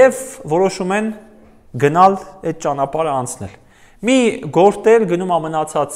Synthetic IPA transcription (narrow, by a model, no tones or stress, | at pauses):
ɛvvɔɾɔʃumɛn | ɡənɑlɛt̪̚t͡ʃɑnɑpɑɾəɑnt͡sʰnɛ̰l | miɡɔɾt̪ɛɾɡənumɑmənɑt͡sʰɑt͡s